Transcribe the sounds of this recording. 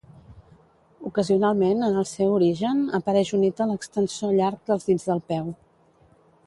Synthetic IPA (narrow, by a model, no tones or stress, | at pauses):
ukəziunalˠmenənəlˠsɛwuɾiʒənəpəɾɛʃunit̪ələkst̪ənsioʎaɾk̚d̪əlˠzðid͡zðəlˠpɛw